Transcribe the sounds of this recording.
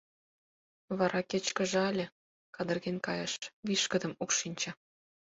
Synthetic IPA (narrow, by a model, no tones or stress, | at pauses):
βɑɾɑket͡ɕkə̆ʒĕɑlʲĕ | kɑd̪ə̆rɣenʲkɑjɤʃβiʃkə̆d̪ə̆mukʃinʲt͡ɕɤ̆